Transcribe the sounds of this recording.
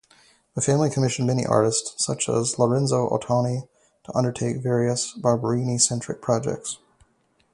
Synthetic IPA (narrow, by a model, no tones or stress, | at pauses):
ðəfæ̃mlikʰəmɪʃn̩mɛñḭʔɑ̰ɹɾɨstsʌt͡ʃə̰zlə˞ɛ̃nzoʊʔə̰tʰɑni | ɾʰəʔʌ̃ndə˞tʰeɪkvɛɹiɨsb̥ɑɹbə˞ĩnisɛ̃nt͡ʃɹ̥ɨ̰k̚pʰɹ̥ɑd͡ʒɛ̰k̚ts